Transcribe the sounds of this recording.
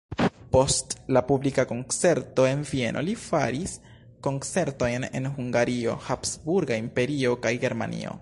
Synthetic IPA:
po̞stlapublikako̞nt͡se̞ɾto̞e̞nvie̞nʔo̞̰lifaɾis | ko̞nt͡se̞ɾto̞jne̞̰nɦuŋɡaɾio̞̰hapsbuɾɡaimpe̞ɾio̞kajɡe̞ɾma̰nḭo̞̰

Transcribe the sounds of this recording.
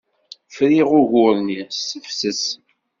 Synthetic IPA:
fɾiʁʊʝʊɾnisəfsəs

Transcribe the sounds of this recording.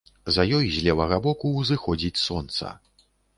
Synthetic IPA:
zɐjɔjzʲlʲɛvɐɣɐbɔkuːzɨxɔd͡zʲit͡sʲsɔnt̪sɐ̰

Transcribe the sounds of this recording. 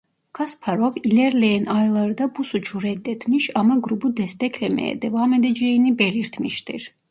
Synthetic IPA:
kʰaspʰaɾɔvilɛɾlɛːnajlˠaɾd̪abusut͡ʃʰuɾɛd̪ɛt̪ʰmiʃamaɡɾubud̪ɛst̪ɛkʰlɛmɛ̰ːd̪ɛvaːmɛd̪ɛd͡ʒɛinibɛliɾt̪ʰmiʃt̪ḭɾ

